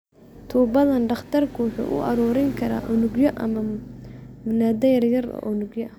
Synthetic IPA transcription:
t̪ʰuːbɐðɐnɖɑχt̪ʰɐrkʰʊwʊħṵːʔʊ̰ʔɐ̰ɾɔːɾɛŋkʰɐɾa̰ːʔʊnʊɡjɔʔɐ̰mɐ | mʊnaːd̪ɐjɐrjɐrɔ̰ʔʊnʊɡjɔɐ

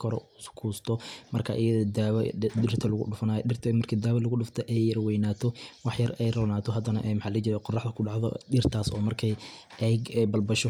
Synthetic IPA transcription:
kʰɔɾɔ̰uskʰuːst̪ʰɔmɐrkʰa̰ʔɪjɐðɔd̪aːwd̪ɪrt̪ʰɐlʊɣʊ̰ɖʊfɐnaːjɔɪrt̪ʰmɐrkʰiːd̪aːwɐlɐɣʊɖʊft̪ʰɔʔɛjːɐrwɛjnaːt̪ʰɔwɑħjɐrɛjrɔːnaːt̪ʰɔɦɐd̪ɐnɐʔɛmħɑːlɐɣɐt͡ʃɪɾɛqɔrːɑħd̪ɐkʰʊɖɑʕðɔ̰ɗɪrt̪ʰaːsɔːmɐrkʰɛj | ʔɛɡɛbɐlbɐʃɔ

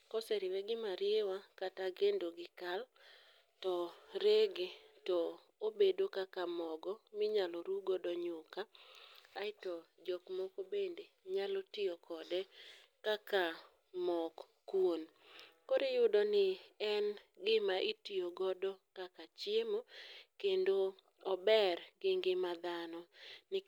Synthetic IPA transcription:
kɔsɛɾɪwɛɡɪmaɾɪewakataɡendoɡɪkal | tɔɾeɡetɔ | obedokakamɔɡɔmɪɲalɔɾuɡɔdɔɲʊkaaɪtɔd͡ʒɔkmɔkobendeɲalotɪokʰɔdɛkaka | mɔk | kwon | koɾejʊdɔnɪɛnɡɪmaʔitɪoɡɔdɔkakat͡ʃjemokendo | ɔbɛɾɡɪŋɡɪmad̪anɔnɪ

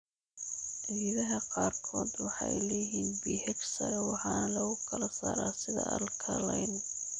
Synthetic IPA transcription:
jiðɐɦɐqɑːrkʰɔːd̪wɑħɑjlɛjɦiːnbiːhɛɡsɐɾɛwɑħɑːnɐlɐɣʊkʰɐlɐsa̰ːɾaːsɪðɐ̰ʔɐ̰lkʰɐlɐjn

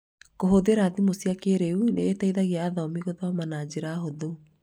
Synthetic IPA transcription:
koɦoðeɾaðimosiakeɾeunḛːtaiðaɣeaːðɔmiɣoðamanad͡ʑeɾaɦoðo

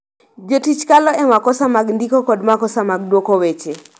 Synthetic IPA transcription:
d͡ʒotit͡ʃkalɔɛmakɔsamaɡndikɔkɔdmakɔsamaɡ̚dwokowet͡ʃe

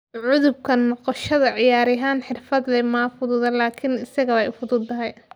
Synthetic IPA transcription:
ʕʊðʊb̚kʰɐnːɔqɔʃɐðɐʕɪjaːɾɪɦaːnħɪrfɐd̪lɛmaːfʊðʊðɐlaːkʰɪnɪsɐɣɐɛjʊfʊðʊd̪t̪ɐɦɛj

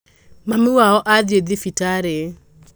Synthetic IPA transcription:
mamɪwaɔʔaðjeðifitaɾe

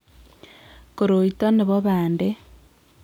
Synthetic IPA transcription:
koɾoitoneβoβaːnde

